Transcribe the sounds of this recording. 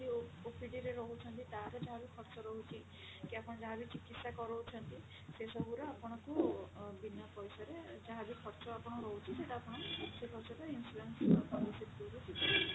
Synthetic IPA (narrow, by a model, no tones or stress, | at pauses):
ɾiopʰiɖiɾeɾɔɦut͡ʃʰɔnt̪it̪aɾɔd͡ʒaɦabikʰɔɾt͡ʃɔɾɔɦut͡ʃʰi | kiapʰɔɽ̃ɔd͡ʒaɦabit͡ʃikːit̪sakɔɾɔwt͡ʃʰɔnt̪i | sesɔbuɾɔapɔɽ̃ɔkubinjɔpɔjsɔɾed͡ʒaɦabikʰɔɾt͡ʃɔapɔɽ̃ɔɾɔɦut͡ʃʰiseʈapʰɔɽ̃ɔsekʰɔɾt͡ʃɔt̪ɔinsuɾanspɔlisit̪tuɾusit̪ɔi